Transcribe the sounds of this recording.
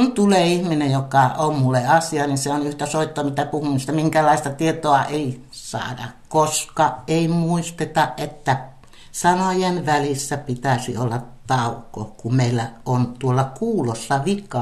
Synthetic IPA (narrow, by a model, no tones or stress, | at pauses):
kunt̪uleːihminejjokɑʔommulːeɑsiɑninseonyht̪æsoit̪ːomit̪æpuhumist̪ɑmiŋkælˑɑist̪ɑt̪iet̪oɑʔeˑi | sɑ̰ːdɑ̰kkoskɑʔʔeimuist̪et̪ɑʔʔet̪ːæ | sɑnojenʋælisːæpit̪æsḭolːɑtt̪ɑˑukːˑo̰kummeilːæʔont̪uolːɑkuːlosːɑʋikɑ